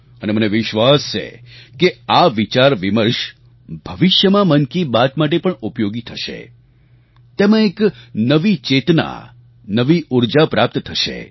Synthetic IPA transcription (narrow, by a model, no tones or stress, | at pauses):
əneməneʋɪʃʋast͡ʃʰḛkeaʋit͡ʃaɾʋiməɾʃ | b̥ʱəʋɪʃjəmãmənkibat̪maʈ̬epəɳupjoɡit̪ʰəʃḛ | t̪emãeknəʋit͡ʃet̪na̰ | nəʋiuɾd͡ʒapɾap̚t̪t̪ʰəʃḛ